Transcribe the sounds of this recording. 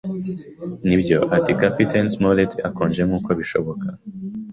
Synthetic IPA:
nibɟo̞ʔatikapitensmoletʰiakoːnd͡ʒe̞mŋuːko̞βiʃo̞̰βo̞kʰa

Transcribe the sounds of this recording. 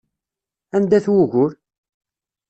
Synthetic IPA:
ænd̪æθwʊʝʊɾ

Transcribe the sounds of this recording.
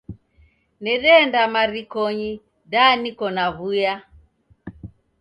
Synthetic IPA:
nɛɾɛndamaɾikɔɲi | danikɔnaβuja

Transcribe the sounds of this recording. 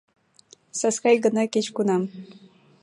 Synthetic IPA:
saskajɢənakɪt͡ʃkʊnam

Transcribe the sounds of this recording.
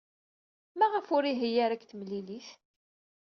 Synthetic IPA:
mæʁəfʊɾiɦijaɾækθmlːiliθ

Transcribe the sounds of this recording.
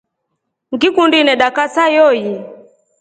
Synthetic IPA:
ŋɡikundinɛɗakasajɔji

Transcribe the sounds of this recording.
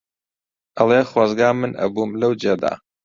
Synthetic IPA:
ʔɐlˠeχwaːzɡaːmɨnɐ̰bumlɐwd͡ʒed̪a̰ː

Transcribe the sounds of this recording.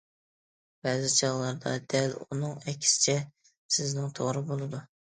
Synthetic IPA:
b̥ɛzɪt͡ʃʰɑʁlˠɑɾd̪ɑ̰d̪̥ælunɨŋɛkʲʰːi̥sɪ̥t͡ʃʰɛ | sɪznɪŋt̪ʰoʁɾɨbolˠɨd̪u

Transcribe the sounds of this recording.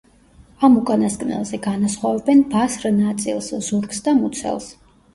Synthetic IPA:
amukʼanaskʼnɛ̰lˠzɛɡanasχwavɛbɛnbasɾnat̪sʼḭlˠszuɾɡsd̪amut̪sʰɛ̰lˠs

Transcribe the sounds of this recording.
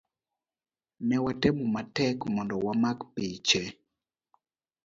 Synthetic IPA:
mɛwatɛmumatɛkmɔndɔwamakpit͡ʃɛ

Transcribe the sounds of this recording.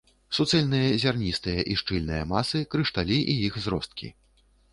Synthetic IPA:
sut̪sɛlʲnɨjɐzʲarnʲist̪ɨjɐʔiʂt͡ʂɨlʲnɨjɐmasɨkɾɨʂt̪alʲiʔijixzɾɔst̪̚kʲḭ

